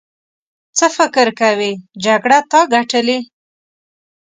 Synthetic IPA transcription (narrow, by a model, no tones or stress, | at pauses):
t͡səfɪkəɾkawid͡ʒaɡɽat̪ɑɡaʈəli